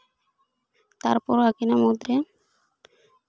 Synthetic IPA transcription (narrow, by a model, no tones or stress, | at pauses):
t̪a̰ɾpɔɾakinamɔd̪ɾe